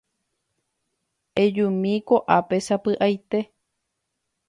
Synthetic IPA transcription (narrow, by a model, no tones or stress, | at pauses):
ed͡ʒũmĩkoʔapesapɨʔajt̪e̞